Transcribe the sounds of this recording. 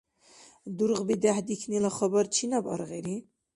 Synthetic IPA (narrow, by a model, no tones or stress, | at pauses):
d̪uɾʁbid̪æħd̪ikʰnilaχɔbɑɾt͡ʃʰinabɑ̰ɾɣɛɾi